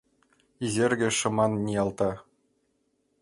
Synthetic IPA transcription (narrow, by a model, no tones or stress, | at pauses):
izʲerʲɡʲɘ̆ʂɤ̆mɑnːʲijɑlˠt̪ɑ